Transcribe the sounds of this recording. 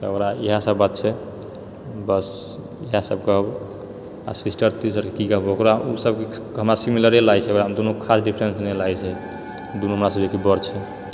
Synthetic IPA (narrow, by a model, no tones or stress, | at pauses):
t̪əkɾaiɦasəbːat̪̚t͡ʃʰɛ | bəs | iɦasəbkəɦb | a̰sisʈəɾt̪isəɾkekikəɦəbokɾausəbkeɦəmɾasimiləɾelajt͡ʃʰɛəkɾad̪onokʰasɖipʰɾensnelajt͡ʃʰɛ | d̪onoɦəmɾasəbd͡ʒekebəɾt͡ʃʰɛ